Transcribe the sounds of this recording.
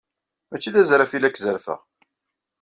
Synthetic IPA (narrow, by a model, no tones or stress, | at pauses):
mæt͡ʃːiðæzɾæfilækːzəɾfə̰ʁ